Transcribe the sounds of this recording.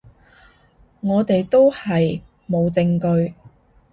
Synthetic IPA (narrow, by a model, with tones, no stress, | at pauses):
ŋɔː˨˧t̪e˨jt̪o˥whɐ˨j | mo˨˧wt͡sɪ˧ŋkɵ˧ɥ